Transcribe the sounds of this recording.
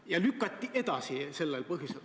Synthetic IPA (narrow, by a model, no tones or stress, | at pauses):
jɑlykːˑɑt̪ʲːiʔe̞d̪ɑsise̞lːelpɤɦjisel